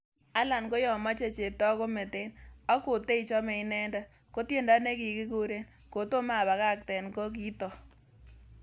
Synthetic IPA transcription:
a˦la˨nko˦jɔ˨ma˦t͡ʃe˦˨t͡ʃe˨tɔ˦ko˦me˨te˦nɔ˦ko˨te˦i˨t͡ʃɔ˦me˨ɪ˦nɛ˦nda˦ | ko˦tje˦nda˦ne˦ki˨ki˦ko˦ɾe˦n | ko˨to˦ma˦˨ba˨ka˦˨k̚tɛ˨nko˦k̬i˦tɔ˨

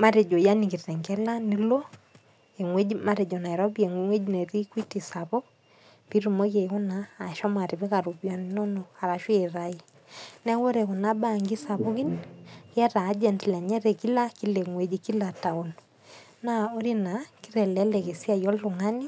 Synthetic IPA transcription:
ma˦ɾe˨d͡ʒo˨ja˦ni˨ki˨ɾɛ˨ŋɡɛ˦la˦ni˦lo˦ | e˨ŋwe˦ima˦ɾe˨d͡ʒɔ˨na˨iɾo˦bi˦e˨ŋŋwe˦d͡ʒine˨ɾi˦kwi˦ti˨sa˨βo˦ | pi˦ɾu˨mo˦ke˨ku˦naː˨ʃɔ˦ma˨ti˨βɪ˦ka˨ɾu˨βja˨ni˦no˦no˨a˨ɾa˨ʃwe˦e˨ɾa˦i˦ | nɛ˦wo˦ɾɛ˨ku˨na˦ba˦ŋɡi˦sa˨βo˦ki˦nkɛ˦ɾaː˨˦d͡ʒɛ˨ntlɛ˨ɲɛ˦ɾɛ˨ki˦la˦ki˦lɛ˨ŋwe˨d͡ʒiki˦la˨ta˨o˨n | na˦o˦ɾi˦na˨ki˦ɾɛ˨lɛ˦lɛ˨ke˨si˦a˦jɔ˦lru˨ŋa˦ni˦

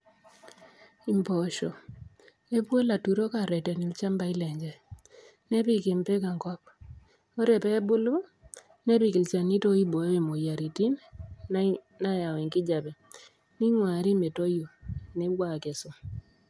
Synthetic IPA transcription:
i˨mbɔ˨ʃɔ˨ | e˦pwo˦la˨tu˨ɾo˦ka˨ɾɛ˨tɛ˨ni˨lt͡ʃa˦mba˨i˦lɛ˨ɲd͡ʒa˨ | ne˦pi˦˨ke˨mpe˦ka˨ŋkɔ˦p̚ | o˦ɾe˨pɛ˦bʊ˦lo˦ | ne˦pi˨ki˨lt͡ʃa˨ni˦to˦i˦bo˨jo˦e˦˨mo˨ja˨ɾi˨ti˦m | na˦ja˨wɛ˨ŋkɪ˦d͡ʒa˨pɛ˨ | ni˦ŋwaː˨ɾi˦me˨to˦jo˨ne˦wwa˦˨kɛ˨sʊ˦

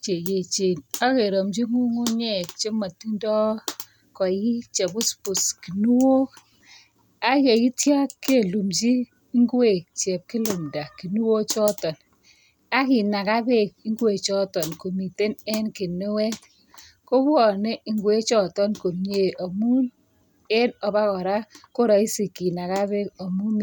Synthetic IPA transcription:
t͡ʃe˨je˨t͡ʃe˨na˦ke˨ɾo˨md͡ʒi˦ŋu˦ŋu˦ɲɛ˦˨k̚t͡ʃe˦ma˨ti˦ndɔ˦ | kɔ˨ji˦t͡ʃe˨bʊ˦spu˨ski˨nu˦wo˦ | a˦ke˨ji˦tja˦kkːe˦˨lu˨mt͡ʃi˦ | ŋɡwe˨t͡ʃɛ˨p̚ki˦lu˨mda˨ki˨nu˦wo˦t͡ʃɔ˦tɔ˨n | a˦ki˨na˨ka˦be˦˨k̚i˦ŋɡwe˨t͡ʃɔ˦tɔ˨nko˨mi˨te˦nɛ˦nke˨ne˦wɛ˦t | ko˦bwɔ˨ne˦i˨ŋɡwe˦t͡ʃɔ˦tɔ˦nko˨mɲe˨o˨mu˦n | ɛ˦nɔ˨ba˦kɔ˨ɾa˦ko˦ɾa˨i˦si˨ki˨na˨ka˦βe˦ko˨mu˦m˦

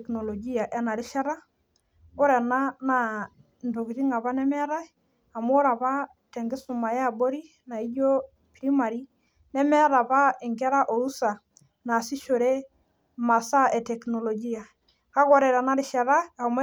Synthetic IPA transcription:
kno˨lo˨ɡi˦a˨ʔɛ˨na˨ɾɪ˦ʃa˦ɾa˦ | o˦ɾɛ˨na˦na˨ | ndo˨ki˨ɾi˦ŋa˨βa˦nɛ˦mɛ˦ɾa˦ | a˨mo˦ɾa˨pa˦ | tɛ˨ŋɡɪ˦su˨ma˨ja˦˨bo˦ɾi˦ | na˨i˦jo˦ | pɾi˦ma˨ɾi˦ | nɛ˦mɛ˦ɾa˨pa˦e˨ŋɡɛ˦ɾa˦ʔo˨ɾu˦sa˨ | na˨si˦ʃo˨ɾe˦ | ma˨sa˦ʔɛ˨tɛ˨kno˨lo˨ɡi˦a˨ | ka˦kɔ˨ɾɛ˨ɾa˨na˨ɾɪ˦ʃa˨ɾa˦a˨mo˦

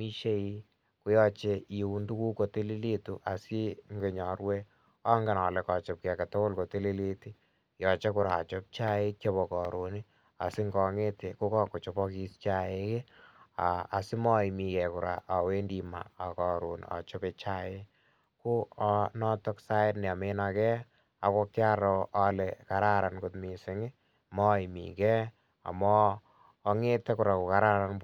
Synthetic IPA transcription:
mi˦ʃe˦ji˦ | ku˦jɔ˧t͡ʃe˧i˨u˨ndu˦ku˦ko˨te˦li˦le˦tu˨ʔa˨si˦ŋɡe˨ɲɔ˨ɾwe˦ | ɔ˦ŋɡe˨nɔ˨le˨kɔ˨t͡ʃɔ˨p̚kɛ˨ka˨to˦ko˦lko˨te˦li˦le˦ti˦ | jɔ˨t͡ʃe˦kʊ˨ɾa˨ɔ̰˨t͡ʃo˦p̚t͡ʃa˦e˦kjɔ˦pɔ˨kɔ˨ɾo˨ni˦ | a̰˨sɪ˦ŋɡɔ˨ŋe˦te˨ko˦kɔ˦ko˨t͡ʃo˦pɔ˦ki˦st͡ʃa˦je˦ke˦aː˨sɪ˦mɔ˦i˨mi˨kɛ˨kʊ˨ɾa̰˨ʔa˨we˦ndi˨ma̰˨a˨kɔ˨ɾu˨nɔ̰˨t͡ʃo˦pe˨t͡ʃa˦e˦ | ku˦ɔ˧nɔ˦tɔ˦ksa˦ɪ˦tn˨a˨me˦na˧kɛ˦ | a˨ko˧kːɪ˦a˦ɾɔ˨ʔa˦le˨ka˨ɾa˦ɾa˨nkʊ˨tmi˨sɪ˦ŋɪ˦ | mɔ˦i˨mḭ˨kɛ˦ | a̰˨mɔː˦˧ | ŋe˦te˦ku˨ɾa˨ku˨ka˨ɾa˦ɾa˦n

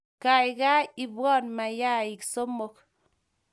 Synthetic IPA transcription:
ka˨i˨ka˦i˨bɔ˦˨nma˨ja˦i˨kso˦mo˨k

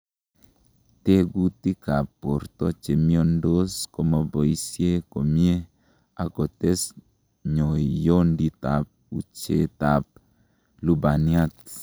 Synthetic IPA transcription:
t̪e˦ɡu˦t̪i˦ka˨pːo˨ɾt̪ɔ˦t͡ʃe˨mjɔ˦ndo˦skoma˨bɔ˨i˦sje˦ko˨mje˦ | a˨kɔ˨t̪e˦s | ɲo˨jɔ˦ndit̪a˨p̚ut͡ʃe˦t̪a˨p̚ | lu˨ba˨nia˦t̚

